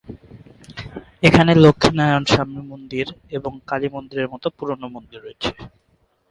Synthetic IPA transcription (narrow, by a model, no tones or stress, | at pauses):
ekʰanelokʰːinaeonʃamimond̪iɾeboŋkalimond̪iɾeɾmɔt̪opuɾonomond̪iɾːojet͡ɕʰe̥